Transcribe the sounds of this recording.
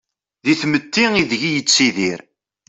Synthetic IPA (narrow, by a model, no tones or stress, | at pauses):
ðiθmət̪ːiŋiðʝijət͡sːiðiɾ